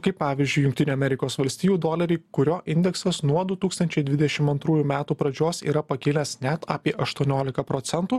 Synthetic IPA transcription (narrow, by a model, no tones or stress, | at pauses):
kɐɪppɑːʋʲizʲd͡ʒʲʊɪjʊŋkt̪ʲɪnʲuːɐmʲɛɾʲɪkoːsʋɐlʲsʲt̪ʲiːjuːd̪oːlʲɐɾʲʊkʊɾʲoːʔɪnʲd̪ʲɛksɐsnuɔd̪ʊt̪uːkst̪ɐnʲt͡ʃʲɛɪd̪ʲʋʲɪd̪ʲɛʃʲɪmɐnt̪ɾuːjumʲæːt̪uːpɾɐd͡ʒʲoːsḭːɾɐpɐkʲɪːlʲɛsnʲɛt̪aːpʲiɛʔɐʃt̪uɔnʲoːlʲɪkɐpɾɔːt̪sʲɛnt̪uː